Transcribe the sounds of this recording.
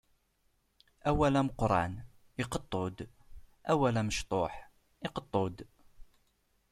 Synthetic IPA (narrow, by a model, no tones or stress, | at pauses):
æwælæməqɾˤɑ̰n | ɪqət̪ˤːod̪ | ʔæwælæməʃt̪ˤoħ | ɪqət̪ˤːod̪